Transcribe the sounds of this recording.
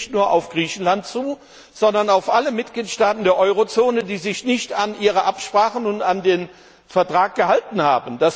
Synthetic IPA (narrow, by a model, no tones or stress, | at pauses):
tnuːɐʔa̰ʊfɡ̥ʁiːçn̩lant̚t͡suː | z̥ɔndɐnaʊfʔaləmɪt̚ɡ̥liːtʃtaːtn̩deːɐʔɔʏʁot͡soːnədiːzɪçnɪçtanʔiːʁəʔapʃpʁ̥aːχənʊntandeːn | fɛɐtʁ̥aːk̚ɡ̥əhaltn̩haːbn̩d̥as